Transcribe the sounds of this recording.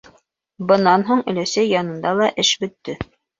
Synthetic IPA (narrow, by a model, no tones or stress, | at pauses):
bɤ̆nɑnɦuɴɵ̆læsæjːɑnɤ̆nd̪ɑlˠɑʔɘʃbɵ̆t̪ːɵ